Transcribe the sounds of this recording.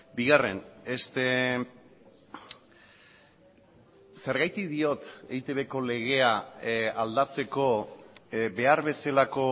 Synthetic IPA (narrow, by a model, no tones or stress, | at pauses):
biɣare̞̰nest̪e | se̞ɾɣajt̪iðio̞t̪ejt̪e̞βe̞ko̞le̞ɣ̞e̞aald̪at͡se̞ko̞ | be̞aɾβe̞salako̞